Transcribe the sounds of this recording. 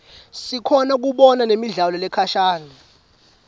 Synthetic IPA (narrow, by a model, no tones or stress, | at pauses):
sikʰɔnak̬uɓɔnanemiɮalɔlɛkʰaʃaːna